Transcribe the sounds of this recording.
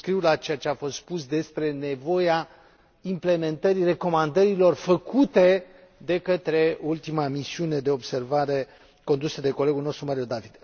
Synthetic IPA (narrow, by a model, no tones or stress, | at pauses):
skɾiwlat͡ʃe̞jat͡ʃeafo̞st̪spusd̪e̞spɾe̞ne̞vo̞ja | imple̞me̞nt̪əɾire̞ko̞mand̪əɾilo̞rfəkʰut̪e̞ | d̪e̞kət̪ɾe̞oult̪imamisiune̞d̪e̞o̞bse̞rvaɾe̞ | ko̞nd̪usəd̪e̞ko̞le̞ɡulno̞st̪ɾumaɾiod̪avid̪̥